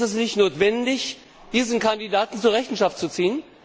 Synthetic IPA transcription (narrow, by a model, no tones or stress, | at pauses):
ɛs̬nɪçtnoːtv̥ɛndɪç | d̥iːzn̩kʰandidaːtn̩t͡suːɐʁɛçn̩ʃaft̚t͡sut͡siːən